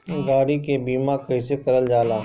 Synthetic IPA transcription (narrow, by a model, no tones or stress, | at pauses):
ɡaːɽikebiːmãkɐisekɐɾəld͡ʒaːlaː